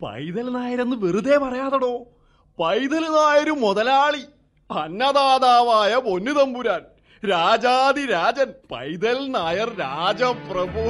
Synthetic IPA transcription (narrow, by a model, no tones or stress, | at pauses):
pɐ̰jd̪ɐlnaːjɐɾenːɨʋirud̪eːpɐrɐjaːðɐɽo̞ː | pɐjd̪ɐlnaːjɐɾumoðɐlaːɭi | ɐnːɐðaːd̪aːʋaːjɐpo̞nːuðɐmbuɾaːn | ɾaːd͡ʑaːd̪iɾaːd͡ʑɐnpɐ̰jd̪ɐlnaːjɐrɾaːd͡ʑɐprɐboː